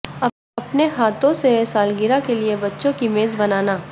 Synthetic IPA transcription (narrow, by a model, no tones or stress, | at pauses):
ɐ | ɐpneɦaːt̪ʰõsesaːlɡɪɾakeliebɐtːʃõkimeːzbɐnaːnaː